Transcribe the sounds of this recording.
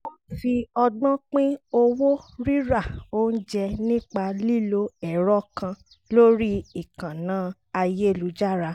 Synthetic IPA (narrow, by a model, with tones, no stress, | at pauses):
o˦fi˧ɔ˧ɡ͡bɔ̃˦k͡pĩ˦o˧wo˦ɾi˦ɾa˦˨o˦n̩˦d͡ʒɛ˧nĩ˦k͡pa˧li˦˨lo˦ɛ˦˨ɾɔ˦kã˧ | lo˦ɾi˦i˦˨kã˨nãː˨˦ | a˧je˦˨lu˨˦d͡ʒa˦ɾa˧